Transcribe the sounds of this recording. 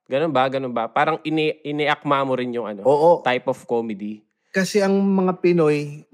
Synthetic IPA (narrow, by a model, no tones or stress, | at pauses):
ɡɐnonbɐɡɐnonbɐpaːɾɐŋʔɪnɛʔɪnɛʔɐk̚maːmoɾɪnjʊŋʔɐnoʔoːʔot̪ajpofkomɛd̪i | kɐsɛʔɐŋmɐŋapɪnoj